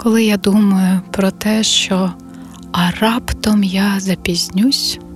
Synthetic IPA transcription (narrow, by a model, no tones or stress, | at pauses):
kɔlˠɪjad̪umɐjʊpɾɔt̪ɛʃt͡ʃɔ | ɐrɑpt̪ɔmjazɐpʲizʲnʲusʲ